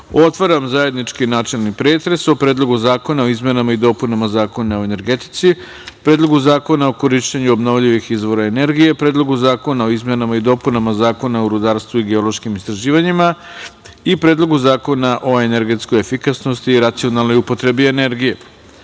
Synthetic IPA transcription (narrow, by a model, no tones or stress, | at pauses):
o̞t̪ʋaɾamzaje̞d̪nit͡ʃkinaːt͡ʃelˠnipɾe̞ːt̪ɾe̞so̞pɾeːd̪lˠo̞ɡuzaːko̞naoizme̞namaid̪o̞punamazaːko̞nao̞ene̞ɾɡet̪i̥t̪si | pɾe̞ːd̪lˠo̞ɡuzaːko̞naokoɾiʃt͡ɕeɲuobnoʋʎiʋixizʋo̞ɾae̞ne̞ɾɡije̞pɾe̞ːd̪lˠo̞ɡuzaːko̞nao̞izme̞namaid̪o̞punamazaːko̞naoɾud̪aɾst̪ʋuiɡe̞olo̞ʃkimist̪ɾaʒiːʋaɲima | ipɾeːd̪lˠo̞ɡuzaːko̞naʔo̞e̞ne̞ɾɡe̞t̪skojefikasno̞st̪iːɾat̪sio̞nalˠno̞jupo̞t̪ɾe̞biene̞ɾɡije̞